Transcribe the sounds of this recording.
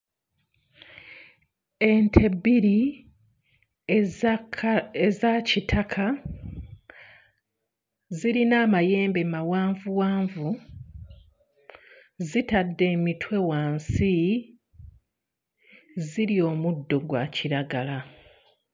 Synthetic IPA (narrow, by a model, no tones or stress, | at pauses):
e̞ntʰe̞biɾi | ezacitʰakʰa | ziɾinaːmaje̞ːmbemawaːɱvuwaːɱvu | zitadːe̞ːmitwe̞waːnsi | ziɾio̞ːmudːo̞ɡwa̰ːciɾaɡala